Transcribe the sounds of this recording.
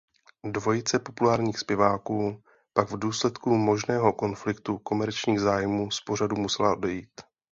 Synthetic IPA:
dvo̞jɪt͡sɛpo̞pulaːɾɲiːxspjɛvaːkuː | paɡvduːslɛt̪kumo̞ʒnɛːɦo̞ko̞nflɪkt̪uko̞mɛɾt͡ʃɲiːɣzaːjmuːspo̞r̝adumusɛlaʔo̞dɛjiːt̪

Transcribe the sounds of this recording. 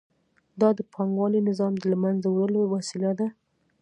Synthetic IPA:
d̪ɑd̪əpʰɑŋɡwɑlinɪzɑmd̪əlamanzawɾəlowasilad̪a

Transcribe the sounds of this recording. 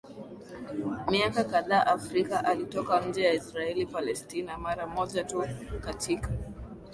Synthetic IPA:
miakakaðaːʔafɾikaʔalitɔkam̩d͡ʒɛjaisɾaɛlipalɛstinamaɾamɔʄatukatika

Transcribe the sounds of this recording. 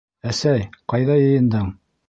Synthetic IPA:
æsæjqɑjðɑjɤ̆jɤ̆nd̪ɤɴ

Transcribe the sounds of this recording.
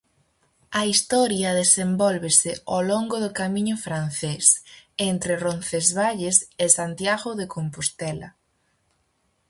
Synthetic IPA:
ɐist̪ɔɾjɐðesembɔlβesɪoloŋɡoðʊkamĩɲʊfɾan̟θesent̪ɾɪronθezβaʎesesant̪jaɣʊðekompost̪ɛlɐ̰

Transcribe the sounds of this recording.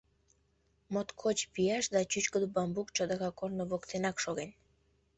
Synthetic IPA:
mot̪kʰot͡ɕpijɑʃd̪ɑt͡ɕyt͡ɕkəd̪ubɑmbukt͡ɕod̪ɑkɑkornəβokt̪enɑkʃoɣenʲ

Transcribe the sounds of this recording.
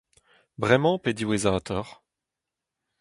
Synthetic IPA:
vʁɛmɑ̃ped̪iwezat̪ʰɔʁ

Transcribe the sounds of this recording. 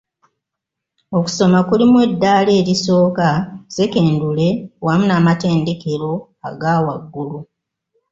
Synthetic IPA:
o̞ku̥so̞makulimwe̞dːaːle̞ːɾiso̞ːkase̞ke̞ːndule̞wamunaːmate̞ːnde̞ke̞ɾo̞ | a̰ɡaːwaɡːulu

